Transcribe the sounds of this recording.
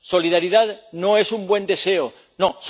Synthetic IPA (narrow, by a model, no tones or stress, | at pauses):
so̞liðaɾiðaðno̞e̞sumbwe̞nd̪e̞se̞o | no̞s